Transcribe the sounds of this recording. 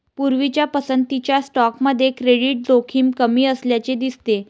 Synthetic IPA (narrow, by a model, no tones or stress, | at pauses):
puɾʋit͡ɕjapəsənt̪it͡ɕjasʈɔkməd̪ʱːjekɾeɽiʈ̚d͡zokʰiːmkəmiːəsljat͡ɕed̪ist̪e